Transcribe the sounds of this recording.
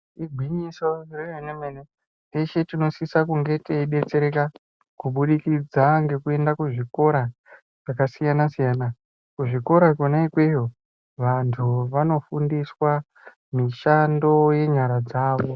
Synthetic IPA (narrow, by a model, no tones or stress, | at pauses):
iɡʱwiɲiso̞rejenemene | eʃe̞tino̞sisakuŋɡe̞teiɗe̞t͡se̞ɾe̞ka | kuɓuɗikid͡zaŋɡe̞kue̞ndakuʐiko̞ɾa | ʐ̥akasijanasijaːna | kuʐiko̞ɾakonaikwe̞jo̞ | ʋantʰuʋano̞fundiswa | miʃando̞je̞ɲaɾad͡zaːʋo̞